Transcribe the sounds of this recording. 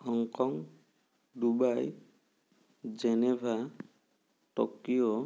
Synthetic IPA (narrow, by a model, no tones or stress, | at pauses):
hɔŋkɔŋ | dubaj | d͡ʒenebʱa | ʈɔkiɔ